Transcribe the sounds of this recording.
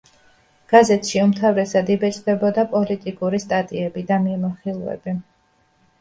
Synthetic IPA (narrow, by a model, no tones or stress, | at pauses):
ɡ̥azɛt̪ʰʃiumt̪ʰavɾɛsad̪ibɛt͡ʃʼd̪ɛbɔd̪apʼɔlit̪ʼikʼuɾist̪ʼat̪ʼiɛbid̪amimaχilˠvɛ̰bi